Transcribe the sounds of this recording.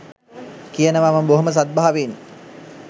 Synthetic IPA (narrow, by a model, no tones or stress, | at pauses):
kijənəʋaməmboɦoməs̬at̪̚baɦaʋen